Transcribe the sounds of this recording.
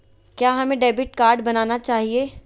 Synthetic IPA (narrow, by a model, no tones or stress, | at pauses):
kjaːɦɐmẽɖeːbɪʈ̚kaːɾɖbɐnaːnat͡ʃaːɦieː